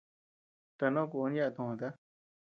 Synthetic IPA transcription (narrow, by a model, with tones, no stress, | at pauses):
t̪a˨˧nõ˦ku˧ni˦ja˦˧t̪ũ˧˨ã˨t̪a˦